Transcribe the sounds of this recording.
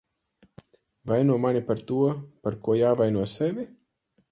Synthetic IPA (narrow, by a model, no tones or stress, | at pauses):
vajnuɔmanipaɾt̪uɔpaɾkuɔjaːvajnuɔsevʲi